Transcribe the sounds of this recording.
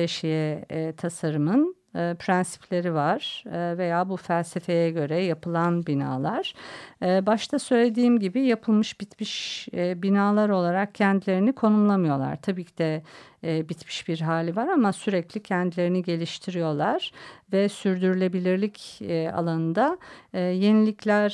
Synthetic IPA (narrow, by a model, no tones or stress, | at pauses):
eʃijɛt̪ʰasaɾɯmɯnː | pʰɾænsi̥pʰlʲe̞ɾivaɾ̥ve̞jaːbufælʲse̞fe̞jɛɟø̞ɾɛjapʰɯlˠanbina̰ːlˠaɾ̥ | baʃt̪ʰasø̞jlʲed̪iːmɟibijapʰɯlˠmɯʃbit̪miʃbinaːlˠaɾo̞lˠaɾak̚cʰɛnd̪ilʲe̞ɾinikʰo̞numlˠamɯjo̞lˠa̰ɾ̥t̪ʰabiːcʰid̪ɛː | bit̪mi̥ʃbiɾɦaːlʲivaɾamasyɾɛclʲicʰɛnd̪ilʲe̞ɾiniɟe̞lʲiʃt̪ʰiɾijo̞lˠaɾ̥vɛsyɾd̪yɾylʲe̞bilʲiɾlʲicːa̰lˠanɯnd̪aːje̞nilʲicʰlʲæɾ̥